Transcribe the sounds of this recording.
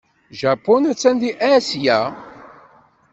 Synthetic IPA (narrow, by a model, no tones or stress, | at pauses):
ʒɑpːonæt͡sːænd̪iʔæsjæ